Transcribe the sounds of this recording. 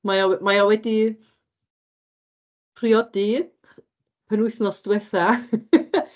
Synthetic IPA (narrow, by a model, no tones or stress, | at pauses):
majawmajawɛdi | pʰriɔdi | pʰənʊɨθnɔsd̥wɛθa